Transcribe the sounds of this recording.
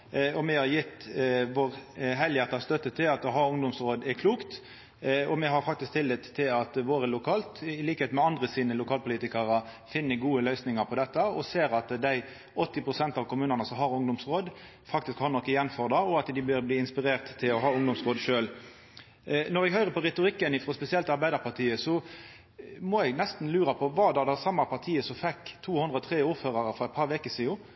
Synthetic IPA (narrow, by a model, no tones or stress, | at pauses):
ɔmɛhɑɾjɪt̪ːʋoːʁɦɛljæʁt̪ɑst̪œt̪ːət̪ʰɪlɑt̪ɔɦɑʊŋd̪ʊmsʁoːd̪ɛɾkʰluːkt̪ | ɔmɛɦɑʁfɑk̚t̪ɪsk̚t̪ʰɪlːɪt̪ʰːɪlɑt̪ʋoːʁəlʊkʰɑːlt̪ɪliːkəeːt̪mɛɑnd̪ʁəsiːnəlʊkʰɑːlpʊliːt̪ɪkəʁə | fɪnːəɡuːəlœʏsnɪŋəʁpʰɔd̪ɛt̪ːəɔseːɾɑt̪d̪æɪ | ɔt̪ːɪpɾʊsɛnt̪ɑːʋkʊmʉːnənəsɔmɦɑʁʊŋd̪ʊmsɾoːd̪ | fɑkt̪ɪskhɑʁnɔkːəjɛnfɔʁd̪ɑɔɑt̪d̪ɪbøːɾbliːɪnspɪɾeːʁt̪ʰːɪlɔɦɑːʊŋd̪ʊmsʁoːd̪ʃøːl | nɔʁɛɡhœʏɾəpʰɔʁɛt̪ʊɾɪkːənɪfɾɔspɛsɪɛlt̪ɑʁbæɪd̪əʁpʰɑʁt̪ʰiːəsɔ | mɔɛɡnɛst̪n̩lʉːɾɑpʰɔʋɑːd̪ɛd̪ɛsɑmːɑpʰɑʁt̪ʰiːəsɔfɛkːt̪ʰuːhʉnd̪ʁəɔt̪ʰʁeːuːɾføːʁɑʁəfɔʁɛɪt̪̚pʰɑɾʋekəsiːʊ